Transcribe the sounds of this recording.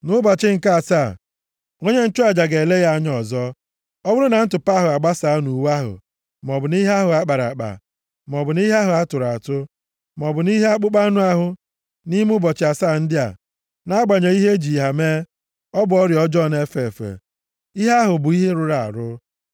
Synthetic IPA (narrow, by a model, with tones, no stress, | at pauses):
nʊ˦bɔ˨t͡ʃɪ˦ŋ̩˨ka˦˨sa˦˨ | ŋo˦ɲe˦n̩˦t͡ʃʊ˦a˨d͡ʒa˨ɡe˨le˦ɣa˦ɲɔ˦˨zɔ˦ | ɔ˦bʊ˦ɾʊ˦na˨n̩˦tʊ˨pa˦ɦʊ˨a˨ɡ͡ba˦sa˨˦nu˨wa˦ɦʊ̰˨ | m˨ɔ˨bʊ˨ni˦ɦe˦a˦ɦʊ˨a˦k͡pa˨ɾa̰˨k͡pa̰˨ | m˨ɔ˨bʊ˨ni˦ɦa˦ɦʊ˨a˦tʊ˨ɾa˨tʊ˦ | m˨ɔ˨bʊ˨ni˦ɦe˦a˦k͡pʊ˦k͡pa˦nu˦a˦ɦʊ˨ | ni˦m˦ʊ˦bɔ˨t͡ʃɪ˨a˨sa˦˨n̩˦dɪ˦a̰˨ | na˦ɡ͡ba˨ɲe˨i˦ɦe˦d͡ʒi˨ɦa˨me˦ | ɔ˦bʊ˨ɔ˦ɾjɔ˦d͡ʒɔ˦˨ne˦fe˨fḛ˨ | i˦ɦa˦ɦʊ˨bʊ˨i˦ɦe˦ɾʊ˦ɾa˨a̰˨ɾʊ˦